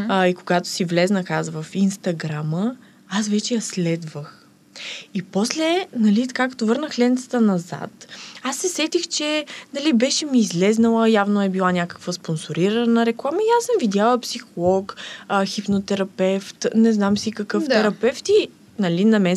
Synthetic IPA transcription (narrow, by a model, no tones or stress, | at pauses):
ikoɡat̪o̥sivlɛznəxazvəfinst̪ɐɡɾamə | asvɛt͡ʃɛjɐslɛd̪vəx | ipɔslɛnɐlit̪ɐ̥kakɐ̥t̪ovɤɾnəxlʲɛnt̪sə̥t̪ənɐza̰t̪asːɛsɛt̪ixt͡ʃɛnɐlibɛʃɛmiːzlɛznəlˠəjavnoɛbilˠanʲakə̥kvəsponsoɾiɾənəɾɛklˠaməiasəmvid̪ʲjalˠəpsixolˠɔkxipnot̪ɛɾɐpɛft̪nɛznamsikɐkɤft̪ɛɾɐpɛft̪i | nɐlinɐmɛ